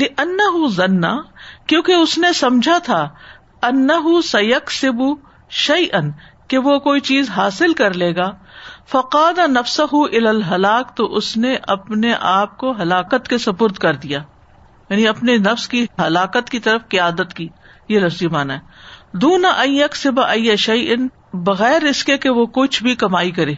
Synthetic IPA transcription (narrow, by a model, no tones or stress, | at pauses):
lɪʔɐnːɐɦʊzɐnːakjõːkeʊsnesɐmd͡ʒʱat̪ʰa | ɐnːɐɦʊsɐjɐksɪbu | ʃɐjʔɐn | keʋokoːit͡ʃiːzɦaːsɪlkɐɾleːɡaːfɐqaːd̪anɐfsɐɦʊʔɪlaːlɦɐlaːkt̪oʔʊsneʔɐpneʔaːp̚koɦɐlaːkət̪kesɐpʊɾd̪kɐɾd̪ijaː | jaːniɐpnenɐfskiɦɐlaːqət̪kit̪ɐɾəfqɪjaːd̪ət̪kiː | jelɐfzimaːnaɦɛːd̪uːnaʔɐ̃njɐksɪbaʔɐjːaʃɐjʔɪn | bɐɣɛːɾɪskekeʋokʊt͡ʃʰbʱikɐmaːikɐɾeː